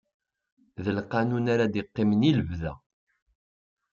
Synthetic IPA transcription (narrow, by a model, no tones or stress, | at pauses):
ðəlqɑnunaɾad̪iqːɪmniləvðæ̰